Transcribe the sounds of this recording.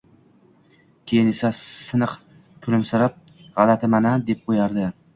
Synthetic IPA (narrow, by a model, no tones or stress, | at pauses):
kʲʰejɪne̞sasɨnɨq | kʰʊlɪmsɪɾap̚ʁɑlat̪ʰɪmanad̪ep̚qʰojaɾd̪ɪ